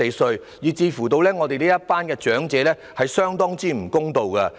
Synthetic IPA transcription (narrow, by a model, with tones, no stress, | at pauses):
e˨˧sɵ˧ɥ | jiː˨t͡siː˧fu˨˩t̪o˧wlɛː˥ŋɔː˨˧e˨liː˥jɐ˥t̚paː˥nkɛː˧t͡ʃœː˨˥ŋt͡sɛː˨˧lɛː˥ | hɐ˨jsœː˥ŋt̪ɔː˥ŋt͡siː˥m̩˨˩kʊ˥ŋt̪o˨wkɐ˧